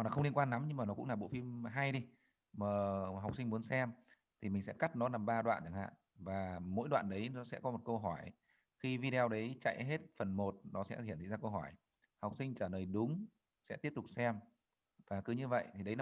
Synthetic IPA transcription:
naː˨˩xə˧ŋ͡mli˧ənŋkwaː˧nːa˨˦mɲɨ˧ŋmaː˨˩nɔ˨˦kʊ̰˧˥ŋ͡mlaː˨˩ɓo̰˧˨fi˧mɦa˧jɗi˧ | məː˨˩ɦwk͡p̚si˧ŋmu˨˦ənsɛ˧m | t̪ʰi˨˩mï̟˨˩sɛ̰˧˥ka˦˥t̚nɔ˨˦naː˨˩mɓaː˧ɗwa̰ː˧˨nt͡ɕə˧˩ŋha̰ː˧˨ | vaː˨˩mo̰˧˥jɗwa̰ː˧˨nɗə˨˦jnɔ˨˦sɛ̰˧˥kɔ˨˦mo˨˩t̚kə˧wɦɔ˧˩j | xi˧vi˧ɗe˧wɗə˨˦jt͡ɕa̰˧˨jɦe˦˥t̚fə˨˩nmo˨˩t̚nɔ˨˦sɛ̰˧˥˧i˧˩˨nt̪ʰi˧˨zaː˧kə˧wɦɔ˧˩j | ha˨˩wk͡p̚sï˧ŋ̟t͡ɕəː˧˩ləː˨˩jɗʊ˨˦ŋ͡m | sɛ̰˧˥t̪i˦˥əp̚t̪ʊ˨˩k͡p̚sɛ˧m | vaː˨˩kɨ˨˦ɲɨ˧və̰˧˨jt̪ʰi˨˩ɗə˨˦jn˨˦

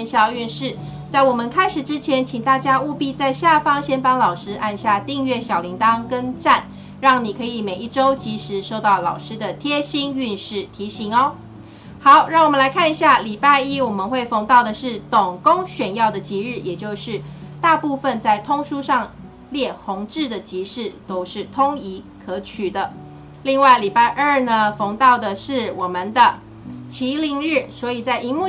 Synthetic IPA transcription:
nɕjɑ˥˧y˥˧nʂɻ̩˥˩ | t͡sa˥˩ɪwɔ˨˩mə˨nkʰa˥ɪʂɻ̩˨˩ʈ͡ʂɻ̩˦t͡ɕʰjɛ˧˦nt͡ɕʰi˨˩ŋt̪a˥˩t͡ɕja˥u˥˧pi˥˧t͡sa˥˧ɪɕja˥˨fɑ˥ŋɕjɛ˥npɑ˥ŋlɑ˨˩ʊʂɻ̩˥ʔa˥˧nɕja˥˧t̪i˥˧ŋɥɛ˥˩ɕjɑ˨˩ʊli˧˥ŋt̪ɑ˦ŋkə˥nʈ͡ʂa˥˩n | ɻɑ˥˩ŋni˨˩kʰɤ˧˥i˨˩me˨˩ɪi˥˩ʈ͡ʂo˥ʊt͡ɕi˧˥ʂɻ̩˧˥ʂo˥˧ʊt̪ɑ˥˩ʊlɑ˨˩ʊʂɻ̩˥d̪ə˨t̪ʰjɛ˥ɕi˥ny˥˧nʂɻ̩˥˩t̪ʰi˧˥ɕi˧˥ŋɔ˦ | xɑ˨˦ʊɻɑ˥˩ŋwɔ˨˩mə˧˦nla˧ɪkʰa˥˩ni˧˩ɕja˥˩li˨˩pa˥˧i˥wɔ˨˩mə˨˦nxwe˥˩ɪfo˧˥ŋt̪ɑ˥˩ʊd̪ə˩ʂɻ̩˥˩t̪o˨˩ŋkʊ˥ŋɕɥɛ˨˩njɑ˥˩ʊd̪ə˩t͡ɕi˧˥ɻɻ̩˥˩jɛ˨˩t͡ɕjo˥˧ʊʂɻ̩˥˩t̪a˥˧pu˥˧fə˧˨nt͡sa˥˩ɪt̪ʰʊ˥ŋʂu˥ʂɑ˥˧ŋ | ljɛ˥˩xʊ˧˥ŋʈ͡ʂɻ̩˥˩d̪ə˩t͡ɕi˧˥ʂɻ̩˥˩t̪o˥ʊʂɻ̩˥˩t̪ʰʊ˥ŋi˧˥ | kʰɤ˧˥t͡ɕʰy˨˩d̪ə˦ | li˥˧ŋwa˥˩ɪli˨˩pa˥˧ɪʔə˞˥˩nə˩fo˧˥ŋt̪ɑ˥˩ʊd̪ə˩ʂɻ̩˥˩wɔ˨˩mə˨nd̪ə˧ | t͡ɕʰi˧˥li˧˥ŋɻ̩˥˩swɔ˧˥i˨˩t͡sa˥˩ɪʔi˧˥ŋmu˥˨

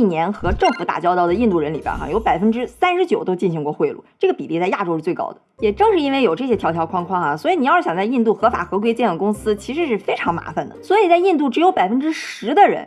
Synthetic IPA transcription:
i˥˩njɛ˧˥nxɤ˧˥ʈ͡ʂɤ˥˩ŋfu˧˥t̪a̰˨˩t͡ɕjɑ˥ʊt̪ɑ˥˩ʊd̪ə˩i˥˧nt̪u˥˩ɻə˧˥nli˨˩bjə̰˧˥xa̰˩jo˧˥ʊpa˨˩ɪfə˥nʈ͡ʂɻ̩˥sa˥nʂɻ̩˧˥t͡ɕjo˨˩ʊt̪o˥ʊt͡ɕi˥˩nɕi˧˥ŋkwɔ˥˧xwe˥˧ɪlṵ˥˩ʈ͡ʂɤ˥˩ɡə˩pi˨˩li˥˧t͡sa˥˧ɪja˥˩ʈ͡ʂo˥ʊɻ̩˥˧t͡swe˥˩ɪkɑ̰˥ʊd̪ə˩jɛ˨˩ʈ͡ʂɤ˥˧ŋʂɻ̩˥˩i˥nwe˥˩ɪjo˨˩ʊʈ͡ʂɤ˥˩ɕjɛ˥t̪ʰjɑ˧˥ʊt̪ʰjʊkʰɑ˥˧ŋkʰwɑ˥˩ŋxɐ˩swɔ˧˥i˨˧˩ni˨˩jɕjɑ˨˩ŋt͡sa˧ɪi˥˧nt̪u˥˩xɤ˧˥fa̰˨˩xɤ˧˥kwe˥ɪt͡ɕjɛ˥˩d̪ə˩kʊ˥ŋsɹ̩˥t͡ɕʰi˧˥ʂɻ̩˧˥ʂɻ̩˥˩fe˥ɪʈ͡ʂʰɑ˧˥ŋma̰˧˥fa˧nd̪ə˩swɔ˧˥i˨˩t͡sa˥˧ɪi˥˧nt̪u˥˩ʈ͡ʂɻ̩˧˥jo˧˥ʊpa˨˩ɪfə˥nʈ͡ʂɻ̩˥ʂɻ̩˧˥d̪ə˧ɻə̰˧˥n

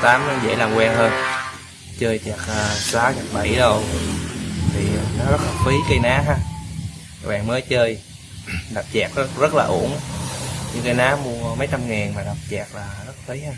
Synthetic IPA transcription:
t̪aː˨˦m˧˦zḛ˧˥laː˨˩mkwɛː˧ŋɦəː˧n | t͡ɕəː˧jt͡ɕa˨˩k̚əː˨saː˨˦ɲa˨˩ɓa̰˧˩jɗə˧w | t̪ʰi˨˩˨nɔ˨˦zə˦˥t̚a˨˩t̚fi˨˦kə˧jnaː˨˦ɦaː˧˨˩ | ɓa̰ː˨˩ŋməː˨˦jt͡ɕəː˧j | ɗa˨˩wp̚t͡ɕɛ˨˩k̚zə˦˥zə˦˥t̚laː˨ʔṵ˧˩ən | ɲɨ̰˧ŋkə˧jnaː˨˦mu˧əmə˨˦jt͡ɕa˧mŋɛː˨˩nmaː˨˩ɗa˨˩wk͡p̚t͡ɕɛː˨˩k̚laː˨˩zə˦˥t̚fi˨˦jɦaː˧

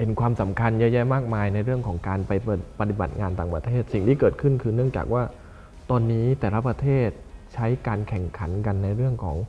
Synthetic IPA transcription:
pe˨˩˦nkʰwaː˧msa˩˦mkʰa˧njaː˧˥ja˧˩maː˥˩k̚maː˧jna˧jɾɯ˥˩əŋkʰɔː˩˦ŋkaː˧npa˧j̪pa˧t̪i˨˩ba˨˩t̪̚ŋaː˧nt̪aː˨˩ŋpɾa̰˧t̪ʰeː˥˩t̪̚si˨˩ŋt̪ʰiː˥˩kɤː˨˩t̪̚kʰɯ˥˩nkʰɯː˧nɯ˥˩əŋt͡ɕa̰ː˨˩k̚waː˥˩ | t̪ɔː˧nːiː˦˥t̪ɛː˨˩la˦˥pɾa˧t̪ʰeː˥˩t̪̚t͡ɕʰa˦˥jkaː˧nkʰɛ˨˩ŋkʰa˩˦nka˧nːa˧jɾɯ˥˩əŋkʰɔ̰ː˩˦ŋ

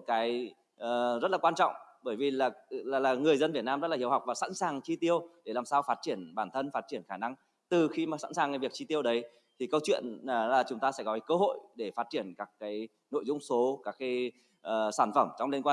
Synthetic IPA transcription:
t̚kaː˨˦j | ʔːzə˦˥t̚laː˨˩wa˧nt͡ɕɔ̰˧˨wŋ͡mɓəː˧˩jvi˨˩laː˨˩˨laː˨˩ŋɨ˨˩əjzə˧nvi˨˩ət̚naː˧mzə˦˥laː˨˩i˧əwha˨˩k͡p̚vaː˨˩sa̰˧˥nsaː˨˩ŋt͡ɕi˧t̪i˧əwɗe˧˩laː˨˩msaː˧wfaː˦˥t̚t͡ɕi˧˩ənɓaː˧˩nt̪ʰə˧nfaː˦˥t̚t͡ɕi˧˩ənxaː˧˩na˧ŋ | t̪ɨ˨˩xi˧maː˨˩sa̰˧˥nsaː˨˩ŋ˨˦vi˨˩ək̚t͡ɕi˧t̪i˧əwɗə˨˦j | t̪ʰi˨˩kə˧wt͡ɕwḭ˧˨ənaː˨˩laː˨˩t͡ɕʊ˨˦ŋ͡mt̪aː˧sɛ̰˧˥kɔ˨˦kaː˨˦kə˧ɦo̰˧˨jɗe˧˩faː˦˥t̚t͡ɕi˧˩ənkaː˦˥kːaː˨˦j | no̰˧˨jzʊ˧ŋ͡mso˨˦kaː˦˥kːaː˨˦j | ʔːsaː˧˩nfə˧˩mt͡ɕɔ˧wŋ͡mle˧nkwaː˧

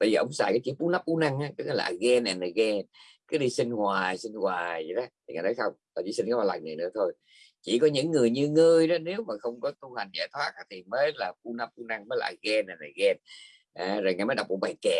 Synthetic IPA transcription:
ɓəː˧jzəː˨˩ʔə̰˧˦wŋ͡msaː˧˩kaː˨˦ki˧˦fu˨˦na˦˥p̚ʔu˨˧˦na˧ŋʔaː˨˦kɨ˨˧˦ɔː˧˨˦la̰ː˨˩ɣɛ˧nʔɛ˨˩nla˨˩ɣɛ˧n | kɨ˨˦ɗi˧sï˧ŋ̟hwaː˨˩jsi˧ŋ̟hwaː˨˩zḭ˨˩ɗɔ˨˦t̪ʰi˨ŋaː˨˩jnɔ˨˦jsə˧wŋ͡m | aː˨˩t͡ɕḭ˧˦si˧nkɔ˨˦ɓaː˧˩laː˨˩jŋɨ˨˩jnɨ̰˧˥ət̪ʰo˧j | t͡ɕi˧˩kɔ˨˦ɲɨ̰˧˥ŋːɨ˨˩əjɲɨ˧ŋəː˧jɗɔ˨˦ne˨˦wmaː˨˩xə˧wŋ͡mkɔ˨˦t̪u˧ha˨˩jŋ̟za̰ː˧˩jt̪ʰwaː˦˥t̚aː˧˦t̪ʰi˨˩məː˨˦laː˨˩fu˨˦na˨˦˥p̚ʔu˧˦na˧ŋməː˨˦jla̰ː˨˩ɣɛ˧nʔɛ˨˩nla˨˩ɣɛ˧n | ʔaː˨˧˩zo˨˩jŋa˨˩jmə˨˦ɗwk͡p̚ʔə̰˧˩ɓa˨˩jkɛ˧˩

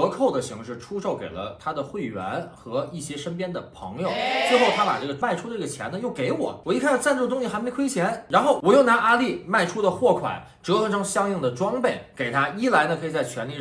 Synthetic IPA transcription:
ɤ˧˥kʰo˥˩ʊd̪ə˩ɕi˧˥ŋʂɻ̩˥˩ʈ͡ʂʰu˥ʂo˥˩ʊke˨˩ɪlə̰˦t̪ʰa˥d̪ə˨xwe˥˩ɪɥɛ̰˧˥nxɤ˧˥i˥˩ɕjɛ˥ʂə˥npjɛ˥nd̪ə˨pʰɤ̰˧˥ŋjo˨˧ʊt͡swxo˥˩ʊt̪ʰa˥pa̰˨˩ʈ͡ʂɤ˥˩ɡə˩ma˥˩ɪʈ͡ʂʰu˥də˧˥˩ɡə˩t͡ɕʰjɛ̰˧˥nə˧jo˥˩ʊke˧˥ɪwɔ̰˨˩˦wɔ˨˩i˥˧njt͡sa˥˧nʈ͡ʂɤ˥˩ɡə˧t̪ʊ˥ŋɕi˧˩xme˧˥ɪkʰwe˥ɪt͡ɕʰjɛ˧˥nɻa˧˥nxo˥˩ʊwɔ˨˩jo˥˩ʊna˧˥ʔa˥li˥˩ma˥˩ɪʈ͡ʂʰu˥d̪ə˨xwɔ˥˩kʰwa̰˨˩˦n | ʈ͡ʂɤ˧˥ə˧ʈ͡ʂɤ˥ŋɕjɑ˥ŋi˥˩ŋd̪ə˩ʈ͡ʂwɑ˥ŋpe˥˩ɪke˨˩ɪt̪ʰa˥i˥la˧˥ɪnə˧kʰɤ˧˥i˨˩t͡sa˥˩t͡ɕʰɥɛ˧˥nli˥˧˩

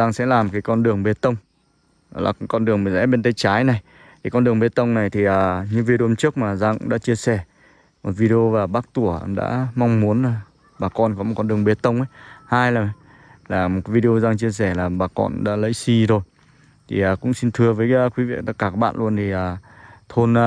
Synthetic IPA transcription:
zaː˧ŋsɛ̰˧˥laː˨˩m˨˩ka˨˦jkɔ˧nɗɨ˨˩əŋɓe˨˦˥t̪ə˧wŋ͡m | la̰ː˨˩kɔ˧nɗɨ˨˩əŋm˨˩zɛ̰˧˥ɓe˧nt̪ə˧jt͡ɕaː˨˦jna˨˩j | ki˨˦jkɔ˧nɗɨ˨˩ə˩ŋɓe˨˦t̪ə˧wŋ͡mna˨˩jt̪ʰi˨˩ʔəː˨˩ɲɨ˧vi˧ɗo˨˧mt͡ɕɨ˦˥ək̚maː˨˩zaː˧ŋkʊ̰˧˥ŋ͡mɗa̰ː˧˥t͡ɕi˧əsɛ˧˩ | mo˨˩t̚vi˧ɗe˧o˧vaː˨˩ɓaː˦˥k̚t̪u˧˩ə˧ɗa̰ː˧˥ma˧wŋ͡mmu˨˦ənlaː˨˩ | ɓaː˨˩kɔ˧nkɔ˨˦mo˨˩kɔ˧nɗɨ˨˩əŋɓe˨˩t̪ə˧wŋ͡mʔə˨˦jhaː˧jlaː˨˩ | laː˨˩mo˨˩kːvi˧ɗe˧o˧zaː˧ŋt͡ɕi˧əs̬ɛ˧˩laː˨˩ɓaː˨˩kɔ̰˧nɗa̰ː˧˥lə̰˧˥jsi˧zo˨˩j | t̪ʰi˨˩ʔaː˨˩kʊ̰˧˥ŋ͡msi˧nt̪ʰɨ˧əvəː˨˦jkwi˨˦vḭ˧˨t̪a˦˥k̚ːaː˧˩ka˨˦˥ɓa̰ː˧˨nlu˧ənt̪ʰi˨˩ʔaː˨˩ | t̪ʰo˧n˧

